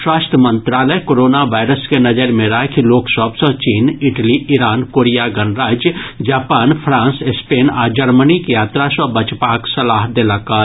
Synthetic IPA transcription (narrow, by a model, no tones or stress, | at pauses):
ʃwaːst̪əmə̃nt̪ɾaːləkoːɾoːnaʋaːɪɾəskenɐd͡ʒəɾmẽɾaɦkiloːksəbsət͡ʃiːnɪʈliɪɾaːnkoːɾijaɡɐnɾaːd͡ʒjd͡ʒaːpaːnpʰɾãːnsespeːnaːd͡ʒɐɾmənikijaːt̪ɾasəbɐt͡ʃpaːksɐlaːɦd̪elaka